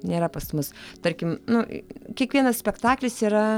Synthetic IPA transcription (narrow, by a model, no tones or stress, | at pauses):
nʲeːɾɐpɐsmʊst̪ɐɾʲkʲɪmnʊkʲiɛkʋʲiɛnɐssʲpʲɛkt̪ɑːklʲɪsiːɾɐ